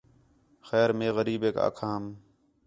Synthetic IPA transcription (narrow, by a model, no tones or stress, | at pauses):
xɛːɾmẽːɣəɾiːbeːka̰ːkʰaːm